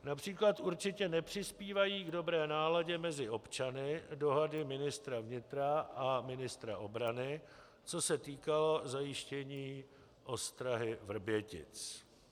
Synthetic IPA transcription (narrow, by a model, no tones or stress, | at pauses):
napr̝̥iːklat̪ʔuɾt͡ʃɪcɛnɛpr̝̥ɪspiːvajiːɡdo̞bɾɛːnaːlaɟɛmɛzɪʔo̞pt͡ʃanɪdo̞ɦadɪmɪnɪst̪ɾavɲɪt̪ɾaʔamɪnɪst̪ɾaʔobɾanɪ | t͡so̞sɛt̪iːkalo̞zajɪʃcɛɲiː | ʔo̞st̪ɾaɦɪvr̩bjɛcɪ̰t͡s